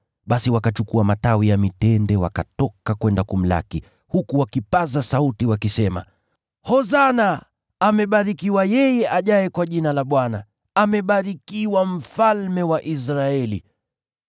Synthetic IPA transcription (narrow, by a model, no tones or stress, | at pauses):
ɓasiwakat͡ʃukuamatawijamitɛndɛwa̰katɔkakwɛndakum̩la̰ki | hukuwakipazasautiwakisɛma̰ | hɔzanaː | mɛɓaɾikiwajɛjɛʔaʄajɛkwaʄinalaɓwana | amɛɓaɾikiwam̩falmɛwaʔis̬ɾaɛli